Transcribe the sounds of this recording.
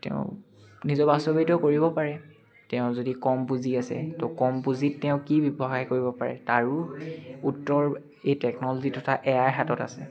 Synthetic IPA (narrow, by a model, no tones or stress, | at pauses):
tɛ̰ʊ̰̃ | nizɔbastɔbitɔkoɹibɔpaɹɛ | tɛʊ̃zodikɔmbuziasɛ̰tɔkɔmpuzitːɛʊ̃kibibxajkoɹibɔpaɹɛ̰taɹuutːɔɹ | ejtɛknɔlozitɔtʰaʔɛjaɹɦatɔta̰sɛ